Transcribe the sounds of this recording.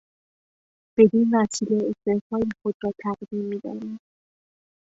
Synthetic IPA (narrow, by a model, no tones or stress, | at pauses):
b̥e̞d̪iːnnæt̪ʰiːleest̪ehfɒːixod̪ɾɒːt̪ʰæɣd̪imːiːd̪a̰him